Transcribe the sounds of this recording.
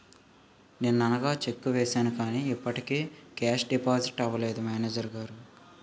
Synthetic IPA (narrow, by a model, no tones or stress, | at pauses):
neːnuɐnɐɡaːt͡ʃe̞kːuʋɛːsaːnukaːniːipːɐʈikeːkaːsɖipaːziʈɐʋɐleːd̪umɛːneːd͡ʒɐɾuɡaːɾu